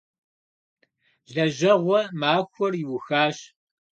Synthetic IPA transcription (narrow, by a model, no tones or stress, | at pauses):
zɐʑɐʁʷɔmaːxʷɔrɪwʊxaːɕ